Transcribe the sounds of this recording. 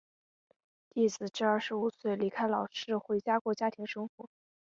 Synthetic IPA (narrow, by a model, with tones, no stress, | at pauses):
t̪i˥˩t͡sɹ̩˨˩ʈ͡ʂɻ̩˥˧ɐ˞˥˩ʂɻ̩˧˥u˨˩swe˥˩ɪli˧˥kʰa˥ɪlɑ˨˩ʊʂɻ̩˥˧xwe˧˥ɪt͡ɕja˥kwɔ˥˩t͡ɕja˥t̪ʰi˧˥ŋʂɤ˥ŋxwɔ˧˥